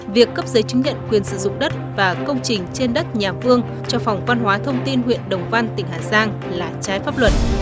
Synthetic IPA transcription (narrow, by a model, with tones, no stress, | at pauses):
vi˨˩əkːə˦˥p̚zəː˨˦jt͡ɕɨ˨˦ŋ̟ɲə̰˧˨nkwi˨˩ənsɨ̰˧˩zʊ̰˧˨ŋ͡mɗə˦˥t̚vaː˨˩kə˧wŋ͡mt͡ɕï˨˩ŋ̟t͡ɕe˧nɗə˦˥t̚ɲaː˨˩fɨ˧əŋ | t͡ɕɔ˧fɔ˨˩wŋ͡mva˧nɦwaː˨˦t̪ʰə˧wŋ͡mt̪i˧nɦwḭ˧˨ənɗə˨˩wŋ͡mva˧nt̪ï˨˩ŋ̟ɦaː˨˩zaː˧ŋ | laː˨˩t͡ɕaː˨˦jfaː˦˥p̚lwə˨˩t̚